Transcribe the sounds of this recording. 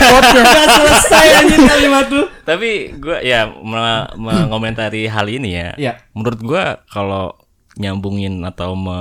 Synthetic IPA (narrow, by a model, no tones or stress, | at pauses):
asələsajanikalimat̪ʊt̪apiɡua̰jaməməŋomɛnt̪aɾiɦa̰linija̰ | mənuɾʊt̪̚ɡuakalo | ɲambuŋɪnat̪awmə